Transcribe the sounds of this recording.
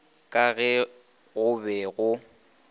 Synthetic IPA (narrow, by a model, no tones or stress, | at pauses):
kʼaɣɛ | ɣʊbɛɣʊ